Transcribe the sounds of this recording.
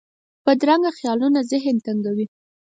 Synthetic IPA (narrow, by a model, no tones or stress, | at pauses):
pəd̪ɾaŋɡaxjɑlunazɪɦənt̪aŋɡawi